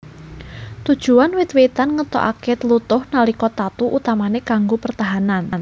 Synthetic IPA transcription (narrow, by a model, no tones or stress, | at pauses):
t̪ud̥ʒ̥ṳanwɪt̪wet̪anŋət̪ɔ̰ʔa̰ket̪əlut̪ʊhnalikɔt̪at̪uʔut̪amanekaŋɡopərt̪aɦanann